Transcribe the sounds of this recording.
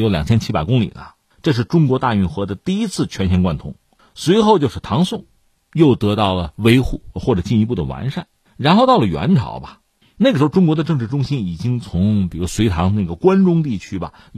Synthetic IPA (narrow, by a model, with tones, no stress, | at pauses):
jo˧˥ʊljɑ˨˩ŋt͡ɕʰɛ˥nt͡ɕʰi˥pa˨˩ɪkʊ˥ŋlḭ˨˩nə̰˦ | ʈ͡ʂɤ˥˧ʂ̬ɻ̩˥˩ʈ͡ʂʊ˥ŋkwɔ˧˥t̪a˥˧y˥˩xɤ˧˥d̪ə˧t̪i˥˩i˥t͡sʰɹ̩˥˩t͡ɕʰɥɛ˥nɕʰjɛ˧˥nkwa˥˩nt̪ʰʊ˧˥ŋ | swe˧˥ɪxo˥˧ʊt͡ɕjo˥˧ʊʂɻ̩˥˩t̪ʰɑ˧˥ŋsʊ˥˩ŋ | jo˥˩ʊt̪ɤ˧˥t̪ɑ˥˩ʊlə˩we˥ɪxu˥˩xwɔ˥˩ʈ͡ʂɤ˨˩t͡ɕi˥˩ni˧˥pu˥˩d̪ə̰˩wa̰˧˥nʂa̰˥˩n | ɻa˧˥nxo˥˧ʊt̪ɑ˥˩ʊlə˩ɥɛ̰˧˥nʈ͡ʂʰɑ̰˨˧˥ʊbɐ˧ | ne˥˩ɡəʂɻ̩˧˥xʈ͡ʂʊ˥ŋkwɔ˧˥d̪ə˧ʈ͡ʂɤ˥˧ŋʈ͡ʂɻ̩˥˧˩ʈ͡ʂʊ˥ŋɕi˥ni˨˩t͡ɕi˥ŋt͡sʰʊ˧˥ŋpi˨˩˥swe˧˥ɪt̪ʰɑ˧˥ŋ˧na˥˩ɡə˩kwa˥nʈ͡ʂʊ˥ŋt̪i˥˩t͡ɕʰy˥bɐ̰˨